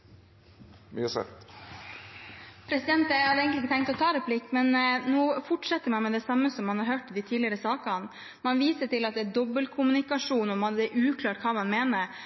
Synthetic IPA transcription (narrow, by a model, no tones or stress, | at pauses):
my̰ːəsɛ̰t̪ | pʰɾɛsɪd̪ɛnt̪æhɑd̪əeːɡənlɪkːət̪ʰɛŋkt̪ɔt̪ʰɑːɾəblɪkːmɛnnoːfʊʈʂɛt̪ːəɾmɛɪmɛd̪ɛsɑmːəsɔmːɑnhɑɾhøːʈd̪iɪt̪ʰiːlɪəɾəsɑːkɑn | mɑnʋiːsəʈɪlɑt̪̚d̪ɛːd̪ɔbːəlkʰʊmʉnɪkɑʂuːnɔmɑd̪ɛʔʉːkʰlɑːʈkʰɑːmɑnmeːnəɾ